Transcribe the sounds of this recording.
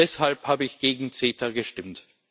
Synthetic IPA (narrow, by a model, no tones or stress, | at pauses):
ɛshalphaːbəɪçɡ̥eːɡŋ̩t͡seːtʰɐɡəʃtɪmt